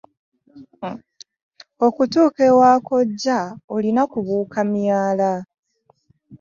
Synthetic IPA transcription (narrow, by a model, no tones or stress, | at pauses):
o̞kutuːkewaːko̞ɟːaolinakuβuːkʰamjaːla